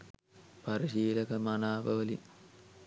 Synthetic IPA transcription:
pɐɾiʃiːlɐkɐmɐnaːbɐʋɐli

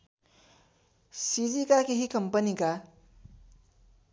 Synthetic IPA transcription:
sid͡ʒikakeɦikʌmpənika

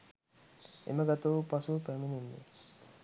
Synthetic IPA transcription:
ḛməɡat̪əʋupasupæmininːḛ

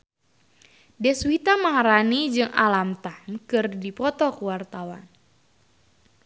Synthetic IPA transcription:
dɛswit̪amaŋaɾanid͡ʒɨŋʔalamt̪ankɨrdipɔt̪ɔkəwart̪awa̰n

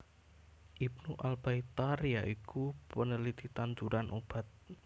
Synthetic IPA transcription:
ʔib̚nuʔalbait̪arjaʔikupənəlid̪̥it̪ant̪uɾanʔob̥a̤t̪̚

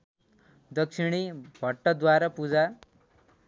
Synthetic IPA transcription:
d̪ʌkʃiɽ̃ibʱʌʈːʌd̪waɾapud͡za

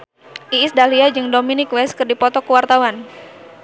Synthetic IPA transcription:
ʔiːsdaliad͡ʒɨŋdominɪkwɛskɨrdipɔt̪ɔkəwart̪awan

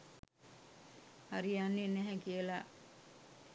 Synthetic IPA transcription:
haɾijanːenæɦɛkiəla

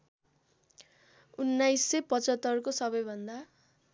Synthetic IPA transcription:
unːajsːepʌt͡sʌt̪ːʌrkosʌbʌjbʱʌnd̪a

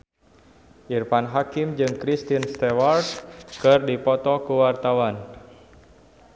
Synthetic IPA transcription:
ʔirpanɦakɪmd͡ʒɨŋkɾist̪inst̪ewardkɨrdipɔt̪ɔkuwart̪awan

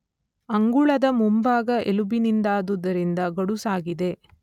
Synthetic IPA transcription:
ɐŋɡuɭɐd̪ɐmumbaːɡɐʔelubinind̪aːd̪ud̪ɐɾind̪ɐɡɐɽusaːɡid̪e̞

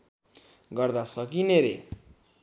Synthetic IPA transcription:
ɡʌrd̪asʌkineɾḛ

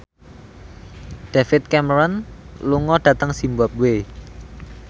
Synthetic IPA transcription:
ɖ̥efɪt̪̚kɛməɾɔnluŋɔɖ̥at̪əŋsimbap̚we

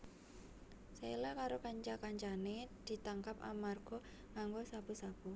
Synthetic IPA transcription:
selakaɾokaɲt͡ʃakaɲt͡ʃaned̪̥i̤t̪aŋkap̚a̰marɡ̥ɔ | ŋaŋɡosapusapu

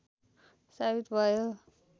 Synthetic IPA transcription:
sabit̪bʱʌjo

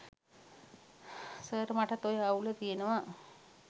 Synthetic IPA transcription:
səɾmaʈat̪ojəaulət̪ijenəʋa

